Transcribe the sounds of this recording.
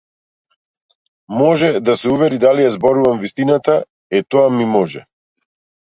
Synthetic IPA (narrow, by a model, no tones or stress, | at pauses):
mɔʒɛd̪asɛuvɛɾid̪alijazbɔɾuvamvist̪inat̪a | ɛt̪ɔamimɔʒɛ̰